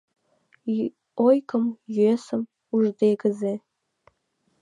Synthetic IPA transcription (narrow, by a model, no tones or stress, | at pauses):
ojkə̆mjyesə̆m | uʒd̪eɡəze